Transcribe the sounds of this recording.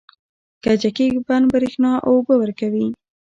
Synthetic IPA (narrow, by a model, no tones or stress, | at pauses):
kad͡ʒakeɡbanbɾexnɑʔobəwəɾkawi